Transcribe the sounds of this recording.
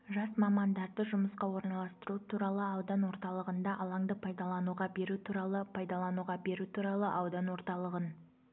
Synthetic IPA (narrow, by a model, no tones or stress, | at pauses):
ʒɑsmɑmɑnd̪ɑɾd̪əʒʊməsqɑwo̞ɾnɑlˠɑst̪əɾut̪ʰuɾɑlˠəɑwd̪ɑnwo̞ɾt̪ɑlˠəʁənd̪ɑʔɑlˠɑŋd̪əpʰɑjd̪ɑlˠɑnuʁɑbe̞ɾut̪ʰuɾɑlˠəpʰɑjd̪ɑlˠɑnuʁɑbe̞ɾut̪ʰuɾɑlˠəʔɑwd̪ɑnwo̞ɾt̪ɑlˠəʁən